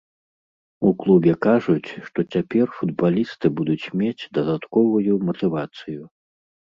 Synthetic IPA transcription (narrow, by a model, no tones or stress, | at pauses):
uklˠubʲɛkaʐut͡sʲʂt̪ɔt͡sʲapʲɛrfud̪̚balʲist̪ɨbud̪ut͡sʲmʲet͡sʲd̪ɐd̪at̪kɔvujumɐt̪ɨvat̪sɨju